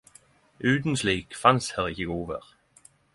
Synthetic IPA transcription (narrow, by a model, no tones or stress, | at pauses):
ʔʉːt̪n̩sliːkfɑnshæʁɪçəɡuːʋəʁ